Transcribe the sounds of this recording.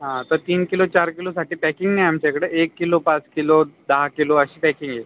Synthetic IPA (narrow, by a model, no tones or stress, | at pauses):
ɦãt̪əɾt̪iːnkilot͡ɕaɾkilosaʈiːpɛkiŋɡnajamt͡ɕakɽəːekːilopat͡skilod̪əɦakiloəɕiːpɛkiŋɡje